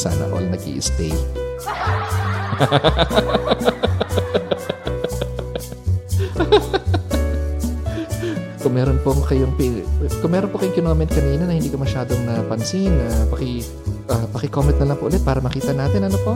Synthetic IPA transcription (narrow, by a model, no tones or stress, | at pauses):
sa̰ːnɐ̰ʔo̰lnɐɡ̚ʔḭʔɪ̰st̪ɛjl | kʊŋmɛːɾonpoŋkɐjoŋpɪkʊŋmɛːɾonpokɐjoŋkɪnamɛnt̪̚kɐniːnɐnɐhɪnd̪iːkɐmɐʃaːd̪oŋnɐpɐnsɪnapɐkɪ | ʔapɐkɪkoːmɛnt̪̚nɐlɐŋpoʔʊlɛt̪̚paːɾɐmɐkiːt̪ɐnaːt̪ɪnʔɐnopo